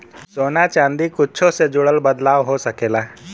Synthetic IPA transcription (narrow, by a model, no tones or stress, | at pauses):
soːnat͡ʃãːnd̪ikʊtːt͡ʃʰõsed͡ʒʊɽəlbəd̪laːʋɦosɐkeːlaː